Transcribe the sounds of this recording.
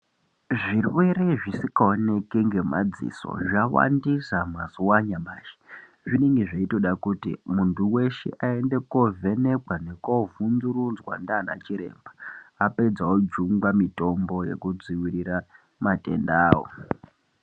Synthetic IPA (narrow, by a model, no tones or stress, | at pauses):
ʐirwe̞re̞ʐisikaone̞keŋɡe̞ma̰d͡zḭso̞̰ʐawa̰ndisamazuwaɲamaːʃe̥ | ʐine̞ŋɡe̞ʐaito̞ɗakutimuntuwe̞ʃḛʔae̞nde̞ko̞ve̞ne̞kwane̞ko̞vunzuɾunzwa̰ndaːna̰t͡ʃiɾe̞̰mbaape̞d͡zaod͡ʒuŋɡamito̞mbo̞je̞̰kud͡ziwiɾira | mate̞̰ndaːwo̰